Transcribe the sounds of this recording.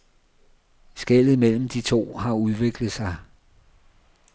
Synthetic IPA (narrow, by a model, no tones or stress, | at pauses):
sɡ̥el̰ð̩ˠmel̰m̩d̥it͡sʰo̝̰ːɦɑ̈uð̞ˠʋe̝ɡ̥ləð̩ˠsɑ̈ɪ